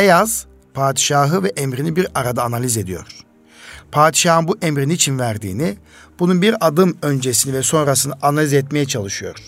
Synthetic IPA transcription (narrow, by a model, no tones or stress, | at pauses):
bejaz̥ | pʰaːd̪i̥ʃaːɦɯvɛʔemɾinibiɾaɾad̪aːnalʲize̞d̪ijo̞̰ɾ̥ | pʰaːd̪iʃaːɦɯnbuʔemɾiniːt͡ʃʰinvæɾd̪ḭːni | b̥ununbiɾad̪ɯmø̞nd͡ʒesinivɛso̞nɾasɯnɯʔanalʲizɛt̪me̞jɛt͡ʃʰalˠɯʃɯjo̞̰ɾ̥